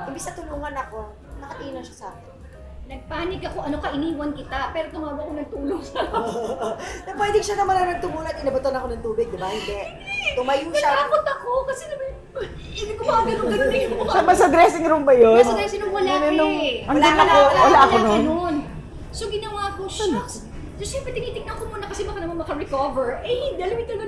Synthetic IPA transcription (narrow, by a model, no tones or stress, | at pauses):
ʔɪmbɪsnɐt̪ʊluːŋɐnɐko̞ | nɐkɐʔ̪iːnonʃasa̰kɪ | nɐɡ̚paːnɪɡɐko̞ʔɐnokɐʔɪniːwɐnkɪt̪apɛːɾot̪ʊmaːwɐɐkonɐɡ̚t̪uːloŋsɐ | nɐpwɛːd̪ɪŋʃanɐmɐnanɐɡ̚t̪ʊmuːlɐnɪnɐbʊt̪ɐnɐkonɐŋt̪uːbɪɡ̚d̪ɪbahɪnd̪ɛʔ | t̪ʊmajʊŋɡɐlaaːkot̪ɐkokɐsɛnɐmɐ | ɪd̪ɪkʊmaːɡɐnoŋɡɐnɪʃamɐsɐd̪ɾɛːsɪŋɾumbɐjonsɐd̪ɛsɪnʊŋwɐlanonoŋɐnd̪inɐaowɐlaʔɐlononnon | soɡɪnɐwaːkoʃa | sɐsɛmpɾɛt̪ɪniːt̪ɪŋnɐɐkomuːnɐkɐsɛbɐkɐnɐmanmɐkɐɹɛkovɛɹʔɛjɪnd̪iɐlɐmɪt̪ʊnɐ